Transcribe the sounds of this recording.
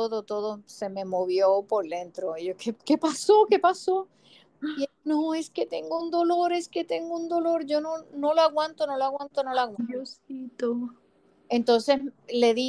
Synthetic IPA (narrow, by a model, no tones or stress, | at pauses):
oðot̪o̞ðose̞mẽ̞moβjo̞po̞ɾðẽ̞nt̪ɾoiokeke̞paso̞ke̞paso̞ | inoe̞ske̞t̪e̞ŋɡound̪o̞lo̞ɾe̞ske̞t̪e̞ŋɡound̪o̞lo̞ɾʝo̞nonoloaɣwãnt̪o̞no̞loaɣwant̪ono̞lawaosit̪o | e̞nt̪o̞nse̞sle̞ði